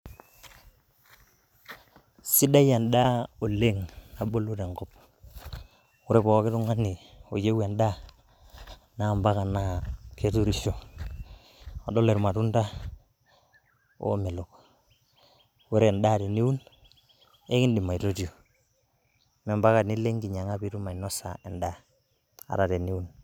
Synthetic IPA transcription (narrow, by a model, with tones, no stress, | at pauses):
si˦da˦ja˨nda˦o˨le˦˨ŋna˨bo˦lu˦te˨ŋɡɔ˦p̚ | u˦ɾe˦pɔ˨˦kɪ˦tu˦ŋa˦ni˨ | o˨je˦wa˨nda˦ | na˦˨mba˦ka˨na˦kʰe˦tu˦ɾi˦ʃo˨ | a˨dɔ˦le˨ɾma˨tu˦nda˦ | o̰˦me˨lʊ˨k | wɛ˦ɾe˨nda˦˨te˨ni˦u˦n | e˦kɪ˦ndɪ˨ma˨i˨to˦tjo˨ | mɛ˨mba˦ka˨ni˦le˦ŋɡi˨ɲa˨ŋa˦pi˦ɾu˦ma˨inɔ˦sa̰˨ɛ˨nda˦ | a̰˨ɾa˨te˨ni˦u˦n